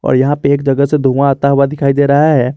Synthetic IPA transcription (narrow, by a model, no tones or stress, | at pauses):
ɔ̰ːɾjɐɦãpeeːkd͡ʒɐɡəsed̪ʱuãaːt̪aɦʊwad̪ɪkʰaːid̪eːɾɐɦaɦɛː